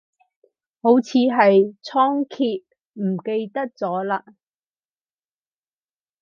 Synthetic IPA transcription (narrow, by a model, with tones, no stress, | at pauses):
ho˨˥wt͡sʰiː˨˧ɦɐ˨jt͡sʰɔː˥ŋkʰiː˧t̚ | m̩˨˩ke˧jt̪ɐ˥k̚t͡sɔː˨˥laː˧